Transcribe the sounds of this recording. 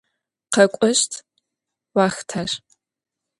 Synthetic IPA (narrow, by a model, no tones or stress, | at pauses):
qɐkʷʼɔɕtʰ | waːxtʰaʂ